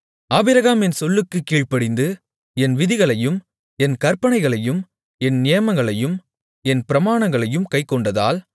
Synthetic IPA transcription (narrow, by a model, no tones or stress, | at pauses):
aːbɪɾɐɣaːmɛnsɔlːɯkːɯkːiːɻpɐɽɪnd̪ɯ | ɛnʋɪðɪɣɐɭɐjɯm | ɛnkɐɾpɐɳɐɪɣɐɭɐjɯm | ɛnnɪjɐmɐŋɡɐɭɐjɯm | ɛnpɪɾɐmaːnɐŋɡɐɭɐjɯmkɐɪkːɔɳɖɐða̰ːl